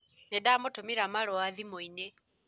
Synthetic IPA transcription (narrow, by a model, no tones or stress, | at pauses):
nedamotomiɾamalwaðimoine